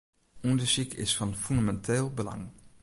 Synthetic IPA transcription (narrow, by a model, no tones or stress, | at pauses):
ʔɔndəɹsikɪ̰sfɑnfynamɛntʰeːlˠbəlɑ̰ŋ